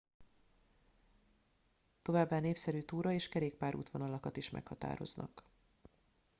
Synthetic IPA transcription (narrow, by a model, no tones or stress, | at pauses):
t̪o̞vaːbːaːneːpsɛɾyːt̪uːɾɒeːʃkɛɾeːk̚paːɾṵːt̪ʋo̞nɒlɒkɒt̪iʃmɛ̰khɒt̪a̰ːɾo̞̰znɒ̰k